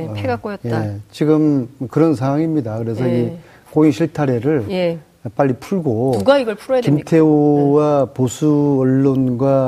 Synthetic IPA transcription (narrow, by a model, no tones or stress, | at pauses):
pʰeɡak͈ojʌtjet͡ɕiɡɯmkɯɾʌns̬ʰaŋɦwaŋimɲidakɯɾe̞sʰʌi | koiŋɕʰiɭtʰaɾe̞ɾɯɭj | p͈aʎːipʰuɭɡouɡaiɡʌɭpʰuɾoakimtʰe̞owaposʰuʌɭːonɡwa